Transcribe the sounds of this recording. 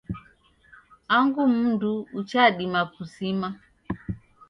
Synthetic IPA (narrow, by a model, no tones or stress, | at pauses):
aŋɡum̩nduːt͡ʃaɗimakusima